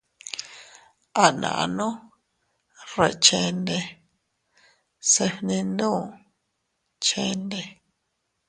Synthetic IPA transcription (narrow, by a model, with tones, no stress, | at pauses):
a˦nã̰˨ʔa̰˧nõ˦ | re˧˨t͡ʃe˧nde˧ | se˧hnĩ˧ndõ˦˨ | t͡ʃe˧nd̪e˧